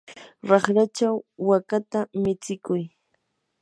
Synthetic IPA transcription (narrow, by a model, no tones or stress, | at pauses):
ɾɑχɾat͡ʃawːakat̪amɪt͡sɪkʊj